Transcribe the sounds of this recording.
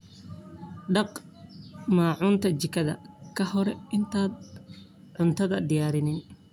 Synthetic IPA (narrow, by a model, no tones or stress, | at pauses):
ɖɑq | maːʕʊːnt̪ʰɐt͡ʃɪkʰɐðɐ̰kʰɐhɔɾɛɪnt̪ʰaːd̪̚ | ʕʊnt̪ʰɐðɐd̪ɪjaːɾɪnɪn